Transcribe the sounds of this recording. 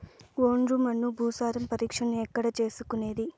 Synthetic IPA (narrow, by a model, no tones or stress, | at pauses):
ʋoːɳɾuːmɐnːubʱuːsaːɾɐmpɐɾiːkʂɐnuɛkːɐɽɐt͡ʃe̞ːsukune̞ːd̪i